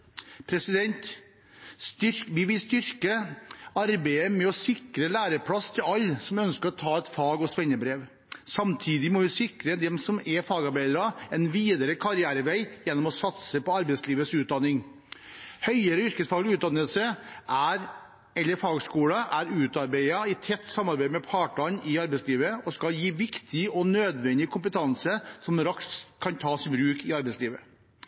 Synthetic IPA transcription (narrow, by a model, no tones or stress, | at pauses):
pʰɾɛsɪd̪ɛnt̪ | t̪ʏɾʋɪʋɪlst̪ʏɾkəɑɾbæɪəmɛɔsɪkɾəlæːɾəpʰɽɑst̪ʰɪlɑlːsɔmœnskəɾɔt̪ʰɑːɛt̪fɑːɡɔsʋɛnːəbɾeːʋ | sɑmt̪ʰiːd̪ɪmɔʋɪsɪkɾəd̪ɛmsɔmɛfɑːɡɑɾbæɪd̪əɾɑɛnʋiːd̪əɾəkʰɑɾɪæːɾəʋæɪjɛnːɔmɔsɑt̪səpɔɑɾbɛɪsliːʋəsʉːt̪̚d̪ɑnːɪŋ | hœʏəɾəʏɾkəsfɑːɡlʉːt̪d̪ɑnəlsəʔæɾ | ɛlːəɾfɑːɡskuːɽɑʔæɾʉːt̪ɑɾbæɪɑɪt̪ʰɛt̪ːsɑmːɑɾbæɪmɛpʰɑːʈɑnɪɑɾbɛɪsliːʋəɔskɑljiːʋɪkt̪ʰɪɔnøːd̪ʋɛnd̪ɪəkʰʊmpət̪ʰɑnsəsɔmɾɑkskʰɑnt̪ʰɑːsɪbɾʉːkɪɑɾbɛɪsliːʋə